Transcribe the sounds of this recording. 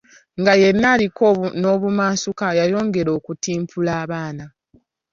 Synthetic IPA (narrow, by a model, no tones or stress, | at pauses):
ŋɡaje̞nːaːlikono̞βumaːsukajajo̞ːŋɡe̞ɾo̞ːkutiːmpʰulaːβaːna